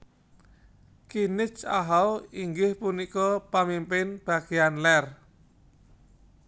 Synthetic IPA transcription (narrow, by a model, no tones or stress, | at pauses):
kinɪt͡ʃaɦawiŋɡɪhpunikɔpamimpɪnb̥a̤ɡ̥eanlɛr